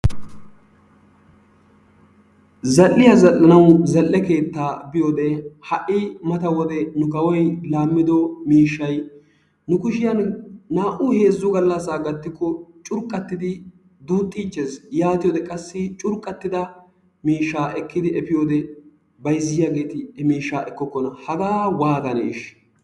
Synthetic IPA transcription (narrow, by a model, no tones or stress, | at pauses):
zɐlːɪjazɐlːɐnɐwzɐlːɛke̞ːt̪ːaːbɪjoːd̪ɛhɐʔɪmɐt̪ɐwɔd̪ɛnʊkɐwɔjlaːmːɪd̪ɔmiːʃːɐj | nʊkʊʃɪjɐnːaːʔʊhe̞ːzːʊɡɐlːɐsːaːɡɐt̪ːɪkːɔt͡ʃʼʊɾkʼːɐt̪ːɪd̪ɪ | d̪uːt̪ʼːiːt͡ʃːesjaːt̪ɪjoːd̪ɛkʼɐsːɪt͡ʃʼʊɾkʼːɐt̪ːɪd̪ɐ | miːʃːaːʔɛkːɪd̪ɪɛpɪjoːd̪ɛ | bɐjzːɪjaːɡe̞ːt̪ɪɛmiːʃːaːɛkːɔkːɔnɐhɐɡaːwaːɡ̪ɐnḛɪ̰ʃ